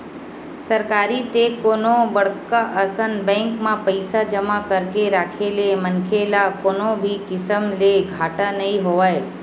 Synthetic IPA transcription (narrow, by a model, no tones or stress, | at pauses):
səɾkaːɾit̪ekoːnobəɽkaʔəsənbɛ̃ːŋkmãpəɪsad͡ʒəmakəɾkeɾaːkʰelemənkʰelakoːnobʱikɪsəmleɡʱaːʈanɐĩɦoʋae